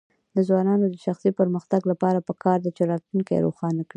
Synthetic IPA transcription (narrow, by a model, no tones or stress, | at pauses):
d̪əzwɑnɑnod̪əʃaxsipəɾməxt̪aɡlapɑɾapəkʰɑɾd̪at͡ʃeɾɑt̪luŋkaḛɾo̰xɑnakɽi